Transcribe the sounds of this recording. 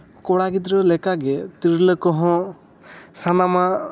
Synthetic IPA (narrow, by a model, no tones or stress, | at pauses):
kɔɽaɡid̪ɾɔlɛkaɡɛt̪iɾləkɔɦɔ̃ | sanama